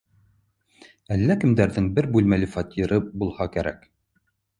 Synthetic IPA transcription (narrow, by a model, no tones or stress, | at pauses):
ælːækɘ̆md̪æɾðɘŋbɘɾbʉlmælɘfɑt̪ʲiɾɤbulˠhɑkæɾæ̰k